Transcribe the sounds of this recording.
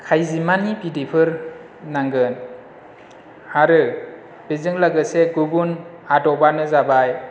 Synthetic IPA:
kʰajzimanipidipʰɯɾ | naŋɡɯn | aɾɯ | b̥ezɯŋlaɡɯseɡubun | adɔbanɯzabaj

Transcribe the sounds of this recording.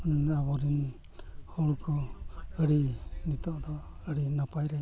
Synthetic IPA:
abɔɾin | hɔɽukɔəɽinit̪ɔʔd̪ɔəɽinapajɾɛ

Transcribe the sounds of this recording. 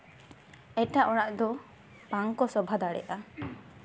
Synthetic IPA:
ɛʈaʔɔɽaʔd̪ɔ | paŋkɔsɔbʱad̪aɽɛ̰ʔa

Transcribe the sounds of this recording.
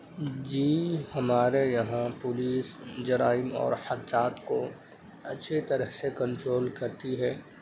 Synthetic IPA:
d͡ʒiːhɐmaːɾejɐɦãpʊliːsd͡ʒɐɾaːɪmɔ̰ːɾhɐd̪ɾaːt̪ko | ɐtːʃʰet̪ɐɾəɦsekɐ̃nʈɾoːlkɐɾt̪iɦɛː

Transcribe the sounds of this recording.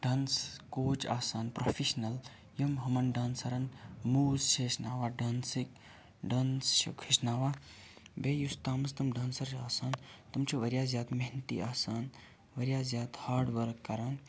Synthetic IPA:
ɖɐːnskoːt͡ʃaːsaːnpɾofʰiʃnɐl | jɐmɦɐmɐnɖaːnsɐɾɐnmuːzʃʰeːʃnaːʋaːɖaːnsik̚ | ɖanst͡ʃʰḭkʰiʃnaːʋaː | beːjust̪aːmɐst̪ɐmɖaːnsɐɾt͡ʃaːsaːnt̪ɐmt͡ʃʰiʋɐɾʲjaːzjaːd̪mɐɦnt̪ḭʔaːsaːn | ʋɐɾjaːzʲjaːt̪haːɾɖʋɐɾkːɐɾaːn

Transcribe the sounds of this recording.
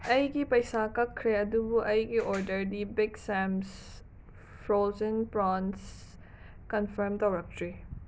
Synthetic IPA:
ɐjɡipɐjsakɐkʰːɾeɐd̪ubuʔɐjɡiʔɔɾdəɾdibɪɡsɛms | fɾozənpɾɔns | kɐnfəɾmt̪owɾɐk̚tɾi

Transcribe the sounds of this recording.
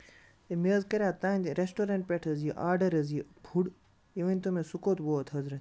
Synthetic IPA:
t̪emezkɐɾʲaːt̪aːnʲt̪ɾesʈoɾɐ̃ɳʈ̚pʲeʈʰɐziʔaːɖɐɾɐzjibʰʱuɽ | jiʋɐ̃nʲt̪umẽsukoːt̪boɐt̪ʰɐzɾɐ

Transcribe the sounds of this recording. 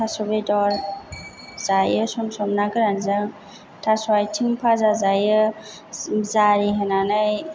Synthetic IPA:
tʰasɔbedɔɾ | z̥ajɯsɔmsɔmnakɯɾanzɯŋ | tʰasɔwajtʰimpʰazazajɯ | zaɾiɦenanɯj

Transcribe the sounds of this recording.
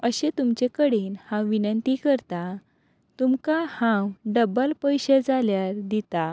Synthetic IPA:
əɕet̪umt͡ɕekəɽiːnhãwʋinənt̪ikəɾt̪a | t̪umkahãwɖəbəlpəjɕed͡zaljaɾd̪it̪a

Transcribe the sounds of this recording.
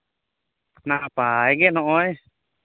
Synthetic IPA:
naʔapajɡɛnɔʔɔj

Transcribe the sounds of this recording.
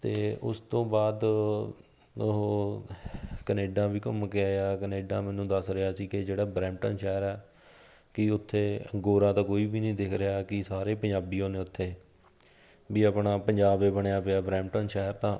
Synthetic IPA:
t̪eːʊ̰st̪õːbaːd̪ | ɦ | kəneːɖãːʋiːkəmkɪaːjaːkəneːɖãːmɛːnũːd̪əsɾɪaːsiːkɪd͡ʒeːɽaːbɾɛ̃ːmʈənʃɛːɾɛː | kɪʊt̪ʰːeːə̰ŋɡoːɾãːt̪ãːkoːiːbiːnəĩːd̪ɪkʰɾəɪjaːkɪsaːɾeːpəɲd͡ʒaːbiːõːneːʊt̪ʰːeː | biːəpɳaːpəɲd͡ʒaːbeːbəɳjaːpɪaːbɾɛ̃ːmʈənʃɛːɦəɾt̪ãː

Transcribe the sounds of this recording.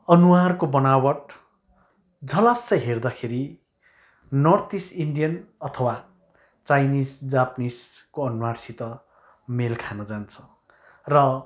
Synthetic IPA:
ʌnuwarkobʌnawʌʈ | d͡zʌlasːʌjɦerd̪akʰeɾi | nʌrt̪isiɳɖijʌnʌt̪ʰʌwa | t͡sajnisd͡zapniskoʌnuwarsit̪ʌ | melkʰanʌd͡zant͡sʰʌ̥ | rʌ

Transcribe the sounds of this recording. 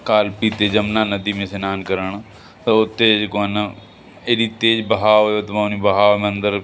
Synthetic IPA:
kaːlpiːt̪eːd͡ʒəmnãːnəd̪iːmẽːsenaːnkəɾəɳː | t̪ːʊt̪ːeːd͡ʒkana | eːɾiːt̪eːd͡ʒbəɦaːoeot̪maːniːbəɦaːom̃ːə̃nd̪əɾ

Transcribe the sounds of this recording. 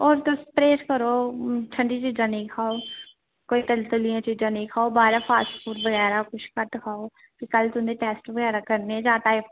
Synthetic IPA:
ɔːɾt̪ʊspɾeːskəɾoːt͡ʃʰəɳɖit͡ʃiːd͡ʒãːnəĩkʰaːoː | koːit̪əlt̪ʊlijãːt͡ʃiːd͡ʒãːnəĩkʰaːobaːɾapʰaːsʈfʰuːʈbəɣɛːɾakʊt͡ʃʰkət̪kʰaːoː | kikəlt̪ʊnd̪eʈɛːsʈbəɡɛːɾaːkəɾneɛ̃d͡ʒãːʈ̪aːɪp

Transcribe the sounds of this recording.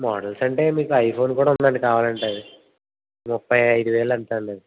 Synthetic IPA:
mɔ̰ːɽɐlsɐɳʈe̞ːmiːkuɐjpʰo̞ːnkuːɽaːund̪aːɳɖikaːʋaːlɐɳʈɐːði | mupːɐjɐjd̪uʋɛːɭɐɐnt̪aːɳɖɐ

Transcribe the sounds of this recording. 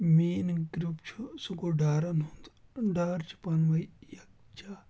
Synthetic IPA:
miːnɡɾupt͡ʃʰusuɡoɖaːɾɐnɦund̪ɖaːɾt͡ʃʰu̥pɐnʋɐjjɐk̚ | t͡ʃaː

